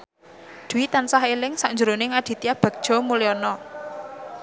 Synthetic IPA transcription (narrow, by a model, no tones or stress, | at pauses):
d̪̥uit̪ansaɦelɪŋsaʔɲd͡ʒuɾonɪŋad̪̥i̤t̪iab̥a̤k̚d̥ʒ̥ɔ̤mulɛɔnɔ